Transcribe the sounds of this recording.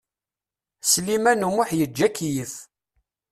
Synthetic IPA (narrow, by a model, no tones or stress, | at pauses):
slimænumʊħjəd͡ʒːækːijəθ